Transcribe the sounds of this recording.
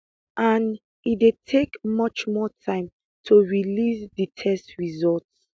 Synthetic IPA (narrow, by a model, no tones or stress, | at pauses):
ʔãn | idetʰekmʌt͡ʃmɔtʰãɪ̃m | tʰuɹilisditʰɛstɹizɔlts